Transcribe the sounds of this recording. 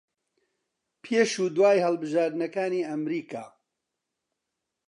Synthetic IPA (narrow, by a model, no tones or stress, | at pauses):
pʰeːʃuːd̪waːjhɐlbɨʒaːɾd̪ɨnɐkaːniːɐmɾiːka̰ː